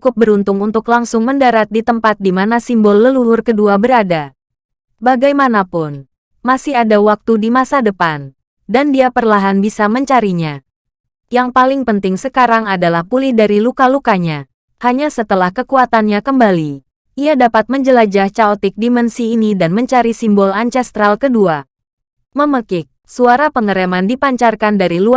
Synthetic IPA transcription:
kʊp̚bəɾunt̪ʊŋunt̪ʊklaŋsʊŋməndaɾat̪̚dit̪əmpat̪̚dimanasimbɔlːəlulʊrkəduabəɾada | baɡajmanapʊn | masɪɦadawak̚t̪udimasadəpan | dandiapərlaɦanbisaməɲt͡ʃaɾiɲa | jaŋpalɪŋpənt̪ɪŋsəkaɾaŋadalahpulɪhdaɾilukalukaɲa | haɲasət̪əlahkəkuat̪anɲakəmbali | ʔiadapat̪̚məɲd͡ʒəlad͡ʒaht͡ʃaɔt̪ɪk̚dimɛnsiːnidanməɲt͡ʃaɾisimbɔlant͡ʃɛst̪ɾalkədua | məməkɪk̚suaɾapəŋəɾemandipaɲt͡ʃarkandaɾilu

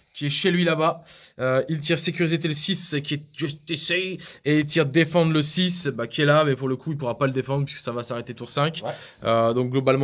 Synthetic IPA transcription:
kʲiɛʃelɥilabaøilt̪iʁsekʲyʁizet̪elsiskʲiɛʒ̥yst̪esɛjeilt̪iʁd̪efɑ̃d̪ʁləsisbakʲiɛlamɛpuʁləkʰuilpuʁapaləd̪efɑ̃d̪ʁəp̬iskə̥savasaʁet̪et̪uʁsɛ̃kʲ | ød̪ɔ̃k̚ɡlɔbalmɑ̃

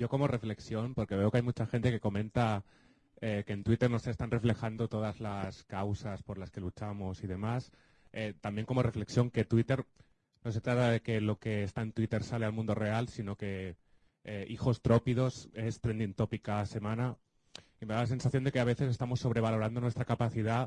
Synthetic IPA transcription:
ɟ͡ʝo̞ko̞mo̞re̞fle̞ksjo̞npo̞ɾke̞β̞e̞okeajmut͡ʃaxe̞nt̪e̞ke̞ko̞mẽ̞nt̪a | ekeːnt̪wit̪e̞ɾno̞se̞st̪anre̞fle̞xand̪o̞t̪o̞ð̞azlaskawsaspo̞ɾlaske̞lut͡ʃamo̞sið̞e̞mas | et̪ambje̞ŋko̞mo̞re̞fle̞ksjo̞ŋke̞t̪wit̪e̞ɾ | no̞se̞t̪ɾat̪aðe̞ke̞lo̞ke̞ːst̪aent̪wit̪e̞ɾsale̞almũnd̪o̞re̞alsino̞ke̞ | eixo̞st̪ɾo̞piðo̞se̞st̪ɾe̞nd̪int̪o̞pikase̞mãna | ime̞ðalase̞nsaθjo̞nd̪e̞ke̞aβe̞θe̞se̞st̪amo̞sːo̞β̞ɾe̞β̞alo̞ɾand̪o̞nwe̞st̪ɾakapaθiða

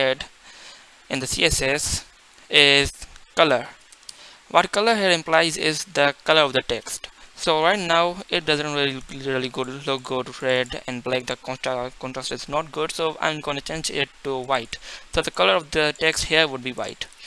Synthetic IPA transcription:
ɛɖ | ɪ̃nd̪əsḭeses | ɪzkʌləɾ | ʋɔʈkʌləɾɦeɾɪ̃mplaɪzɪzd̪əkʌləɾɔʋd̪əʈɛksʈsoːɾaɪʈnaʊɪʈ̚ɖʌzə̃nʈɾililɪəɾəliɡʊʈlok̚ɡoːʈuɾɛɖɛ̰̃nɖblæk̚d̪əkɔ̃ʈɾkɔ̃nʈɾasʈɪznɔʈ̚ɡʊɖsoːʔã̰ɪ̃mɡonut͡ʃẽːnd͡ʒɪ̰ʈːuʋaɪʈsoːd̪əkʌləɾɔʋd̪əʈeksʈheəɾʋʊɖ̚biːʋa̰ɪʈ

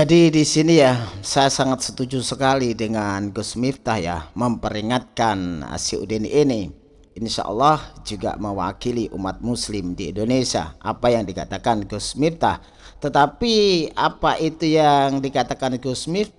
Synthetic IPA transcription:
d͡ʒadidisinijasajasaŋat̪̚sə̥t̪ud͡ʒusəkalidəŋanɡosmift̪ahja̰məmpəɾiŋat̪̚kanə̰siṵdenʔːni | ʔɪnʃa̰ʔɔ̰lːɑhd͡ʒuɡa̰məwa̰kiliʔumat̪̚muslɪmdiḭndonesia̰ʔapajaŋdika̰t̪akanɡosmift̪ah | t̪ət̪apiapaʔit̪ujaŋdikat̪akanɡosmi

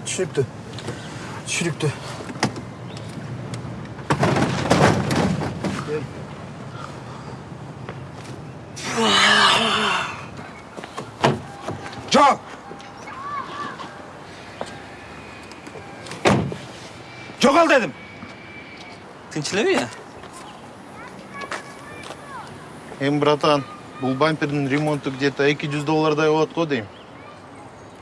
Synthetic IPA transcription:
t̪ʰy̥ʃnyp̚t̪y | t̪ʰy̥ʃynyp̚t̪y | e | d͡ʒoq | d͡ʒoʁɑlˠd̪ed̪im | t̪ʰɯnt͡ʃileβia | embɾɑt̪ɑn | bulˠbamʲpʲeɾd̪inrʲemo̞nt̪ːukd̪et̪ɑekid͡ʒyzd̪o̞lˠːɑɾd̪ɑjolˠot̪̚qʰojd̪e̞jm

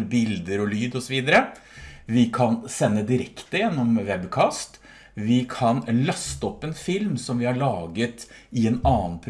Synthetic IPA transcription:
bɪld̪əɾɔlyːd̪ɔsɔʋiːd̪əɾə | ʋɪkʰɑnsɛnːəd̪ɪɾɛkt̪əjɛnːɔmʋɛbkʰɑːst̪ | ʋɪkʰɑnlɑst̪əɔpːɛnfɪlmsɔmʋɪhɑɭɑːɡət̪ɪɛnɑːnpʰɾ

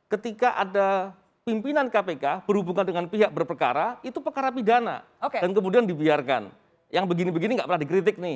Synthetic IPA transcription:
kət̪ikaʔada | pimpinankapekab̥ərhubuŋandəŋanpiɦak̚bərpərka̰ɾait̪upərkaɾapidana̰ | okedankəmudiandibiarka̰n | jaŋbəɡinibəɡiniŋɡaʔpərnahdikɾit̪̬ɪk̚nɪ

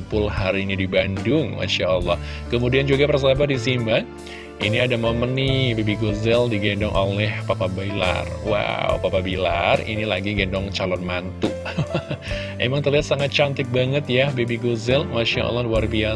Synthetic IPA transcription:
pʊlhaɾinidibandʊŋma̰ʃaəlːɑhkəmudiand͡ʒuɡapərs̬abadisima | iniadamomənːɪbebiɡozɛldiɡendɔŋʔo̰lɛhpapabaila̰rwa̰wpapabila̰rḭnilaɡiɡɛndɔŋt͡ʃalɔnmant̪u | emaŋt̪ərliɦat̪saŋat̪̚t͡ʃant̪ɪk̚baŋət̪jabebiɡozɛlmaʃa̰ʔɔ̰lːɑhluarbia

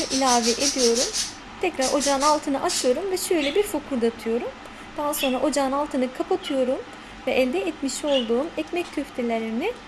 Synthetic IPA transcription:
aʔilʲaːvɛʔed̪ijo̞ɾum | t̪ʰɛcɾaɾo̞d͡ʒanalˠt̪ʰɯnɯʔat͡ʃʰɯjo̞ɾumvɛʃø̞jlʲɛbiɾfokʰuɾd̪at̪ʰɯjo̞ɾum | d̪̥aɦaso̞nɾaʔo̞d͡ʒanalˠt̪ʰɯnɯkʰapʰat̪ʰɯjo̞ɾum | vɛʔɛlʲd̪ɛːt̪miʃo̞lˠd̪uːmɛcmɛc̚t̪ʰøft̪ʰilʲeɾinɪ

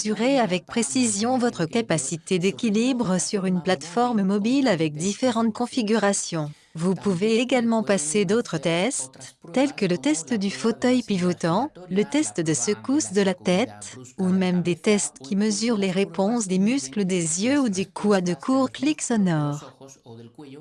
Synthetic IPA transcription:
zyʁeavɛk̚pχesizjɔ̃vɔt̪χəkapasit̪ed̪ekʲilibʁəsyʁynplat̪fɔʁmmɔbilavɛk̚d̪ifeʁɑ̃t̪̚kɔ̃fiɡʲyʁasjɔ̃ | vupuveːɡalmɑ̃pased̪ot̪χət̪ɛst̪ːɛlkələt̪ɛst̪d̪yfot̪œjpivɔt̪ɑ̃lət̪ɛst̪d̪əsəkusd̪əlat̪ɛt̪umɛmd̪et̪ɛst̪kʲiməzyʁleʁepɔ̃sd̪emyskləd̪ezjøud̪ekʰwad̪əkʰuʁkliksɔnɔʁ

